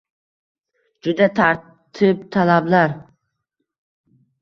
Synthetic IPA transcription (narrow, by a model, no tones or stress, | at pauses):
d͡ʒʊd̪at̪ʰaɾ | t̪ʰɪp̚t̪ʰalablaɾ